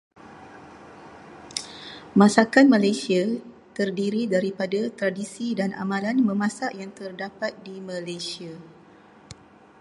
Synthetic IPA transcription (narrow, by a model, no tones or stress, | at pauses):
mãsakan̚mãlajsia | t̪ərdiɾidaɾipadat̪ɾadisidana̰mãlanmə̃mãsaʔjaŋt̪ərdapat̪̚dimãlajsia